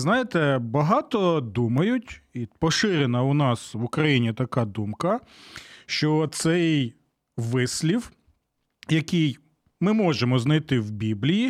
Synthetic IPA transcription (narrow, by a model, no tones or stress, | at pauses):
znɑjet̪ɛbɐɦɑt̪ɔd̪umɐjʊtʲipɔʃɪɾenɐʊnɑsʋʊkɾɐjinʲit̪ɐkɑd̪umkɐ | ʃt͡ʃɔt̪sɛj | ʋɪsʲlʲiw | jɐkʲij | mɪmɔʒemɔznɐjt̪ɪwbʲiblʲiji